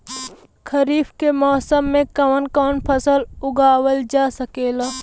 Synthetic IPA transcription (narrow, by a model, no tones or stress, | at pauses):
kʰɐɾiːfkemɔːsəmːẽkɐənkɔːnpʰɐsəlʊɡaːwəld͡ʒaːsəkeːla